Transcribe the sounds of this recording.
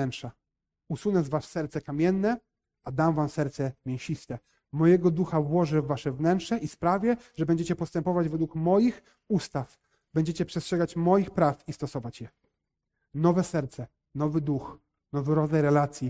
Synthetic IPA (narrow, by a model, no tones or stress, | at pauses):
ɛntʂa | usunɛzvaʂsɛɾt̪sɛkamʲjɛnːɛ | ad̪amvamsɛɾt̪sɛmʲjɛw̃ɕist̪ɛ | mɔjɛɡɔd̪uxavwɔʐɛvːaʂɛvnɛntʂɛʔispɾavʲjɛʐɛbɛɲd͡ʑet͡ɕɛpɔst̪ɛmpɔvad͡ʑvɛd̪wukmɔjix | ust̪af | bɛɲd͡ʑet͡ɕɛpʂɛstʂɛɡat͡ɕmɔjixpɾafist̪ɔsɔvat͡ɕjɛ | nɔvɛsɛɾt̪sɛ | nɔvɘd̪ux | nɔvɛɾɔajɾɛlat̪sʲji